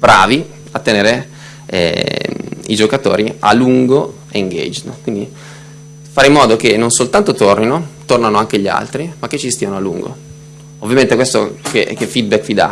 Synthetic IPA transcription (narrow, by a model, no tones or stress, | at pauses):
bɾa̰ːvi | at̪ːeneːɾe | ɛ̰ | id͡ʒokat̪o̰ːɾia̰luŋɡo | eŋɡḛd͡ʒnkwind̪i | faɾeimːɔːd̪okenːonsolt̪ant̪ot̪orninot̪ornanoaŋk̟eʎia̰lt̪ɾimakːet͡ʃːist̪iːanoalṵŋɡo̰ | ovːjament̪ekwest̪o̰kḛk̟efid̪̚bɛkːvid̪a̰